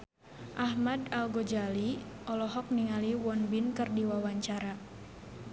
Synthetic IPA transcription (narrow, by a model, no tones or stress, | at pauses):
ʔahmadalɡɔd͡ʒaliʔɔlɔɦɔk̚niŋaliwɔnbinkɨrdiwawaɲt͡ʃaɾa